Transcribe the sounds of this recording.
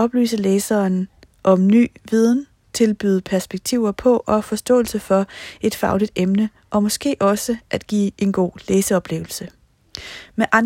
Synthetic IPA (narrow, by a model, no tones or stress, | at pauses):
ɒ̽b̥ly̰ːsəleːsɐːn | ʔɒ̽mny̰ːʋið̞ˠn̩ | t͡sʰe̝lb̥yːðˠəpʰæɐsb̥eɡ̥̚t͡sʰiʊ̰ɐpʰɒ̽ʔɒ̽fɒ̽sd̥ɔ̰̽ːl̩səfɒ̽e̝d̥fɑ̈ʊlid̥emnə | ʔɒ̽mɒ̽sɡ̥e̝̰ːʔɒ̽səʔæd̥ɡ̥ḭːʔe̝nɡ̥o̝̰ːleːsəɒ̽b̥le̝ʊl̩sə | meʔɑ̈n